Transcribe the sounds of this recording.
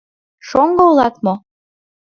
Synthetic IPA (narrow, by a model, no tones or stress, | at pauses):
ʃoŋɡoulˠɑt̪mo